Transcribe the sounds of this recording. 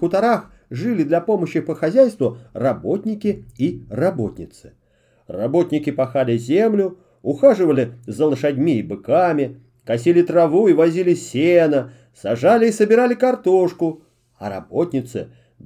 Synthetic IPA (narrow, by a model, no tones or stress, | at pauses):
kʊt̪ɐɾax | ʐɨlʲɪd̪lʲɐpo̞məɕːɪpəxɐzʲæjst̪vʊrɐbo̞t̪ʲnʲɪkʲɪirɐbot̪ʲnʲɪt̪sɨ̥ | rɐ̰bo̞t̪ʲnʲɪkʲɪpɐxalʲɪzʲemlʲʊ | ʊxaʐɨvəlʲɪzəlˠəʂɐdʲmʲiːbɨkamʲɪ | kɐsʲilʲɪt̪rɐvuivɐzʲilʲɪsʲenə | sɐʐalʲɪːsəbʲɪɾalʲɪkɐrt̪oʂkʊ | ɐ̰ɾɐ̰botʲnʲɪt̪sɨ̰